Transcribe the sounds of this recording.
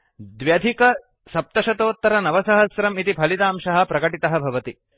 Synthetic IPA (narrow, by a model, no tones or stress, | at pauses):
d̪ʋjɐd̪ʱikɐ | sɐp̚t̪ɐʃɐt̪oːt̪ːɐɾɐnɐʋɐsɐɦɐsɾɐmit̪ipʰɐlit̪aːmʃɐɦɐ̆pɾɐkɐʈit̪ɐɦɐ̆bʱɐʋɐt̪i